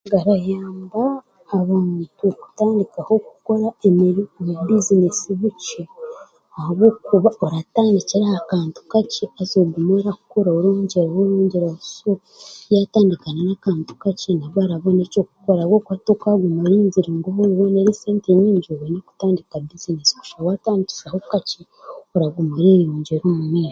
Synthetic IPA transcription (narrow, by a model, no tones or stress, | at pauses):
ɡaɾajaːmbaː | βaːntuku̥taːndikaho̞ku̥ko̞ɾaemiɾimubizinesiβut͡ʃo | ahaβoːkuβaoɾataːndiciɾahakaːntu̥kaceazoːɡumoɾaku̥koɾaoɾoːɲɟeɾawoɾoːɲɟeɾauso | jataːndikanenaːkaːntu̥kacinaβwaɾaβo̞neːt͡ʃo̞ːk̚ukoɾawoːkwatokaɡumuɾiːɲziɾiŋɡoβoɾiβoneɾiseːnteɲiːɲd͡ʒoβeneku̥taːndikabizinesi̥ku̥ʃawataːndici̥sahokaci | oɾaɡumeɾeːβɾoːɲɟeɾoːmumeːʃa